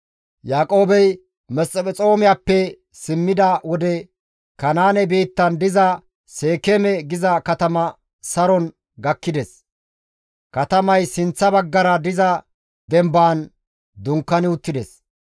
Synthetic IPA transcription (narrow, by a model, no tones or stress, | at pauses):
jaːkʼo̞ːbɛj | mɛsʼɛpʼɛt͡sʼo̞ːmɪjaːpːɛ | sɪmːɪd̪ɐwɔd̪ɛ | kɐnaːnɛbiːt̪ːɐnd̪ɪzɐ | se̞ːkɛmɛɡɪzɐkɐt̪ɐmɐ | sɐɾɔn | ɡɐkːɪd̪ɛs | kɐt̪ɐmɐjsɪnt͡sːɐbɐɡːɐɾɐd̪ɪzɐ | d̪ɛmbaːn | d̪ʊŋkːɐnɪʊt̪ːɪd̪ɛs